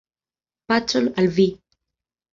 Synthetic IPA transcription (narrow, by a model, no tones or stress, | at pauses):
pat͡solalvi